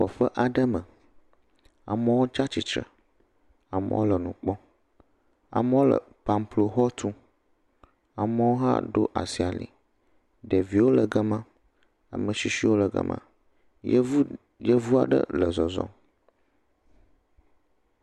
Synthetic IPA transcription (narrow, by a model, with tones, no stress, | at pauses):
ɸɔ˨ɸə˦ʔa˨ɖə˦mə˨ | a̰˨mə˦wo˦t͡ʃa˦t͡ɕi˨t͡ʃɾə̰˨ | a˨mə̰˦wo˦lə˨nũ˨k͡pɔ˦ | a̰˨mə˦wo˦lə̰˨ | pa˨mplo˨xɔ˦t̪ʰu˦ | a˨mə˦wo˦ɦa̰˦ɖo̰˦ʔa˨si˨a˨lḭ˨ | ɖe˨vi˨wo˦lə˨ɡə˦mã˦ | a̰˨mə˨si˦si˦wo˦lə˨ɡə̰˦mʔã̰˨˦ | jə˦vu˦a˨ɖə̰˦lə˨zɔ˨zɔ̰̃˦